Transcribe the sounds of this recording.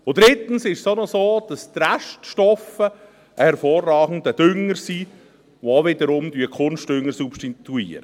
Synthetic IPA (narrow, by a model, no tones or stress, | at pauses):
ʊd̪ɾɪt̪ən̩sɪʃsonɔsoːd̥ɑst̪ræʃtʃtɔfə | ʔəhɛɾfoːrːɑːɡ̥n̩dəd̥̪ʏŋːəɾsiː | ʋooʋɪd̪əɾʊmd̥̪yəkʰʊnsʃtdʏŋːəɾsupʃtit̪uiːəɾə